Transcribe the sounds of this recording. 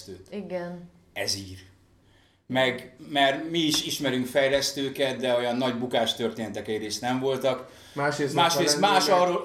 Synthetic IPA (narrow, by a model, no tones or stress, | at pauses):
t̪øːt̪iɡɛn | ɛziːr | mɛɡmɛrmiːʃiʃmɛɾyŋkfɛjlɛst̪øːkɛt̪̚d̪ɛo̞jɒnːɒɟbukaːʃt̪ø̞rt̪eːnɛt̪ɛkɛɟreːst̪nɛɱvo̞lt̪ɒk | maːʃesmaːʃɾeːsmaːʃɒroː